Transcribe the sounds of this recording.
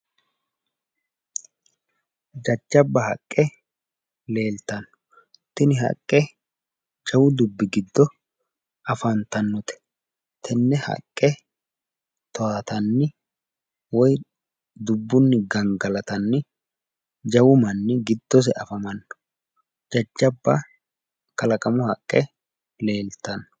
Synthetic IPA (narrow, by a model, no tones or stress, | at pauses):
d͡ʒɐd͡ʒːɐbːɐɦɐ̰kʼːɛ | le̞ːlt̪ɐnːɔ̥ | t̪ːɪnɪhɐ̰kʼːɛ | d͡ʒɐwʊd̪ʊbːɪɡɪd̪ːɔ | ʔɐfɐnt̪ɐnːɔt̪ɛ̥ | t̪ʰɛnːɛhɐ̰kʼːɛ | t̪ɔaːt̪ɐnːɪ | wɔj | d̪ʊbːʊnːɪɡɐŋɡɐlɐt̪ɐnːɪ | d͡ʒɐwʊmɐnːɪɡɪd̪̥ːɔs̬ɛʔɐfɐmɐnːɔ̥ | d͡ʒɐd͡ʒːɐbːɐ | kɐlɐkʼɐmʊhɐkʼːɛ | le̞ːlt̪ɐnːɔ